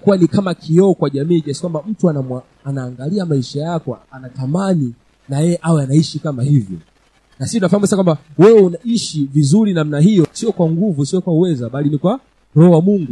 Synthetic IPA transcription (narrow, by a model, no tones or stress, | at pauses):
kuwanikamakʰiɔːkwaʄamiːkɛsikwambam̩tuanama | anaːŋɡaliamaiʃajakɔanatamani | najɛɛʔawɛanaiʃikamahivjɔ̰ | nasistunafahamusaakwambawɛɛunaiʃivizuɾinam̩naɦijɔsiɔkwaŋɡuvusiɔkwauwɛzaɓalinikwa | ɾɔwamuŋɡu